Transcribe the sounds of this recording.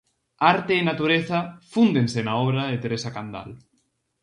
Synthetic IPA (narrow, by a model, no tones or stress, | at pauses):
aɾt̪eːnat̪uɾeθɐfund̪ensenaɔβɾaðet̪eɾesakand̪a̰l